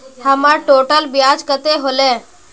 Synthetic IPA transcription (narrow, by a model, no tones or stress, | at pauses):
həmaʈoːʈəlbɪjaːd͡ʒkət̪eɦoleː